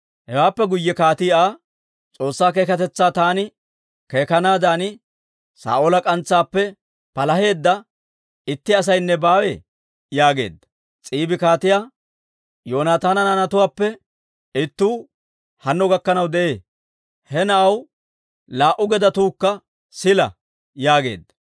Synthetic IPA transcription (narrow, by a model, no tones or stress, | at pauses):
hɛwaːpːɛɡʊjːɛkaːt̪ɪaː | t͡sʼo̞ːsːaːk̬e̞ːkɐt̪ɛt͡sːaːt̪aːnɪ | ke̞ːkɐnaːd̪aːnɪ | sa̰ːʔolɐkʼɐnt͡sːaːpːɛ | pɐlɐɦe̞ːd̪ːɐ | ɪt̪ːɪɐs̬ɐjnːɛbaːwḛ | jaːɡe̞̰ːd̪ːɐ̥ | t͡sʼiːbɪkaːt̪ɪjaː | jo̞ːnaːt̪aːnɐnɐnɐt̪ʊwaːpːɛ | ɪt̪ːuː | hɐnːɔɡɐkːɐnɐwd̪ɛʔe̞ː | hɛnɐʔɐw | laːʔʊɡɛd̪ɐt̪uːkːɐ | sɪlɐ̰ | jaːɡe̞̰ːd̪ːɐ̥